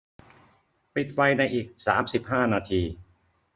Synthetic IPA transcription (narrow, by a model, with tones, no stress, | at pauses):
pi˨˩t̪̚fa˧jna˧jʔiː˨˩k̚sa̰ː˩˦msi˨˩p̚haː˥˩naː˧t̪ʰiː˧